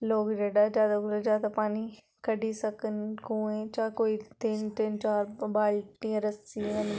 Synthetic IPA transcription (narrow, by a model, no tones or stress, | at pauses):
loːɡɾeːɖad͡ʒaːd̪ɐklɐd͡ʒaːt̪ɐpaːni | kɐɖisɐkənkũẽt͡ʃaːkoːit̪ɪnt̪ɪnt͡ʃaːɾbaːlʈ̪ĩːə̃ɾɐsiɦɐn